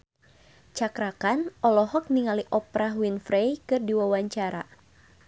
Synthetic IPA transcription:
t͡ʃakɾakanʔɔlɔɦɔk̚niŋaliʔɔpɾaɦwinfɾejkɨrdiwawaɲt͡ʃaɾa̰

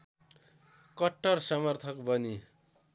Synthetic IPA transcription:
kʌʈːʌrsʌmʌrt̪ʰʌkbʌni

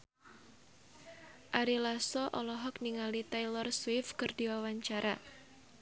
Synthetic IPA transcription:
ʔaɾilasɔʔɔlɔɦɔkniŋalit̪ajlɔrswɪfkɨrdiwawaɲt͡ʃaɾa

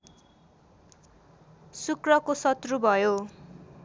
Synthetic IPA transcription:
sukrʌkosʌt̪rubʱʌjo

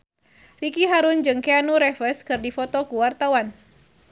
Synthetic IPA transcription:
rikiɦaɾʊnd͡ʒɨŋkeanuɾɛfəskɨrdifɔt̪ɔkuwart̪awan

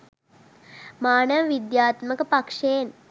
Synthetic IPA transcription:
maːnəʋəʋid̪jaːt̪məkəpakʂejen

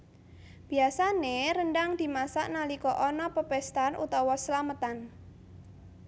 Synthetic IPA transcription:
b̥i̤asaneɾənɖaŋd̪̥i̤masaʔnalikɔʔɔnɔpəpɛst̪anʔṵt̪ɔwɔslamət̪an

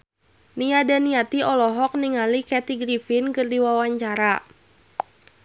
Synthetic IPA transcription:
niadaniat̪iɔlɔɦɔk̚niŋalikɛt̪iɡɾifinkɨrdiwawaɲt͡ʃaɾa

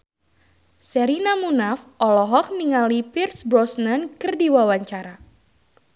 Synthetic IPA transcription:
sɛɾinamunafʔɔlɔɦɔk̚niŋalipirsbɾɔsnankɨrdiwawaɲt͡ʃaɾa

